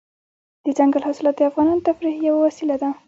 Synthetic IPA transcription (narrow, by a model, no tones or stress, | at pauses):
d̪̥əd͡ʒaŋɡalɦɑsɪlɑt̪̚d̪əafɣɑnɑnot̪afɾihjawawasilad̪a